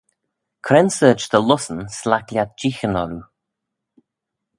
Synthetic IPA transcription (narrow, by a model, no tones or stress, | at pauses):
kʰɾɛnsəːt͡ʃd̪əlʊsənslaklʲjat̪̚d͡ʒixənɔɾu